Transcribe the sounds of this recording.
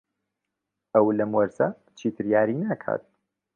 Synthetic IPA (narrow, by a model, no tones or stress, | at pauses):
ɐwlɐmwɐɾsɐ | t͡ʃʰiːt̪ʰɨɾjaːɾinaːkʰa̰ːt̪̚